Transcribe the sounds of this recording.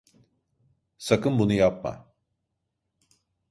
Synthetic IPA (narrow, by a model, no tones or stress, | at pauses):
sakɯmbunujap̚ma̰